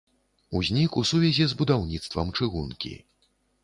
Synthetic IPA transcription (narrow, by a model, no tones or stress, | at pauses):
uzʲnʲikusuvʲɛzʲɛzbud̪awnʲit̪st̪vɐ̰mt͡ʂɨɣunkʲḭ